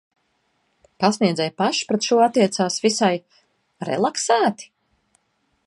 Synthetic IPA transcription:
pasniɛd̪zɛjpaʃpɾet̪ʃuɔat̪ːiɛt̪saːsvisaj | ɾɛ̰lˠaksæːt̪i̥

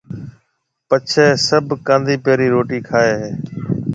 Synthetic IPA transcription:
pət͡ʃʰeːsəbʱkãːnd̪iːpeːɾiːɾoːʈiːkʰaːeːɦeː

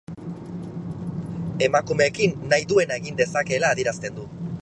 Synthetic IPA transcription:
e̞makume̞ːkinːajðue̞naeɣind̪e̞sake̞ːlaːðieɾast̪e̞nd̪u

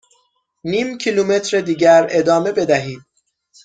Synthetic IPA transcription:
niːmcʰilume̞t̪ʰɾed̪iːɟæɾe̞d̪ɒːme̞be̞d̪æɦiːd̪̥̚

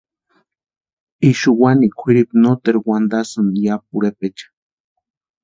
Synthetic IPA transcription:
iʃuwanikʷʰiɾipnot̪eɾwand̪asɨnjap̚uɾepet͡ʃḁ

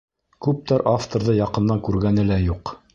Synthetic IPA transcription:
kʉp̚t̪æɾʔaft̪oɾðɤjɑqɤ̆nːɑŋkʉɾɡænɘlæjuq

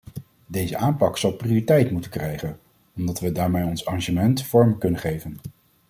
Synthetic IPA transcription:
dejzəʔaːmpɑksɑlˠprioːritɛjtmutəkrɛjχən | ɔmdɑtʋədaːɹmejɔnsɑraʒəmɛntfɔɹməkɵnənχejvən

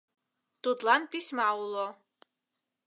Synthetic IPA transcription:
d̪̥ud̪lanpismaulɔ

